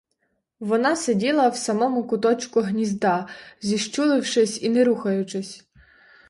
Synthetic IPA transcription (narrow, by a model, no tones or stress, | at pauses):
ʋɔnɑsedʲilˠɐwsɐmɔmʊkʊt̪ɔt͡ʃkʊɦnʲizd̪ɑzʲiʃt͡ʃulˠɪwʃɪsʲinɛɾuxɐjʊt͡ʃɪsʲ